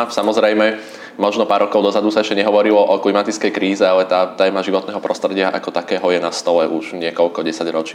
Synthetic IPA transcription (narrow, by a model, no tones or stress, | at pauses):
samɔzɾɛjmɛ | mɔʒnɔpaːɾɔkɔʊd̪ɔzad̪usaɛʃcɛɲɛɦɔʋɔɾilɔʔɔklimat̪it͡skɛjkɾiːzɛalɛt̪aːt̪ɛːmaʒiʋɔt̪nɛːɦɔpɾɔst̪ɾɛɟɪaʔa̰kɔt̪akɛːɦɔjɛnast̪ɔlɛʔuʒ̥ɲɪɛkɔʎkɔɟɛsaɟɾɔt͡ʃɪː